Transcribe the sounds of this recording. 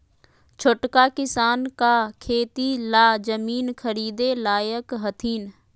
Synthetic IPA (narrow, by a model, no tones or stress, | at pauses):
t͡ʃʰʊʈkakɪsaːnkakʰeːt̪ilaːd͡ʒəmiːnkʰəɾiːd̪elaːjəkɦət̪ʰiːn